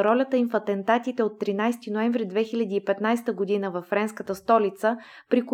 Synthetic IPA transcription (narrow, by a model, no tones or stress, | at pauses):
ɾɔlʲət̪əimfɐt̪ɛnt̪at̪it̪ɛot̪ːɾinajst̪inoɛɱvɾid̪vɛxilʲɐd̪iːpɛt̪najst̪əɡod̪inəvɐffːɾɛnskət̪əst̪ɔlit̪sə | pɾiko